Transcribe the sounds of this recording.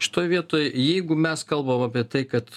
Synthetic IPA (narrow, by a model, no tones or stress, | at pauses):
ʃʲɪ̥t̪oːjʋʲiɛt̪oːjjɛɪɡʊmʲɛskɐlˠbɐmɑpʲiɛt̪ɐɪkɐt̪